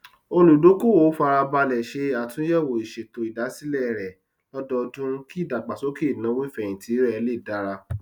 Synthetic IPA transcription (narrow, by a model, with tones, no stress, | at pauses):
o˧lu˨do˨˦ko˦wo˨˦fa˧ɾa˧ba˧lɛ˨ʃe˧˦a˨tũ˨˦jɛ˦˨wo˨i˨ʃe˨to˨i˨da˨˦si˦lɛ˦˨ɾɛ˨ | lɔ˦dɔ˧dũ˦ki˦˨da˨ɡ͡ba˨so˨˦ke˦˨nã˨˦we˦fɛ̃˦˨ĩ˨tʰi˨˦ɛ˧le˦˨da˨˦ɾa˧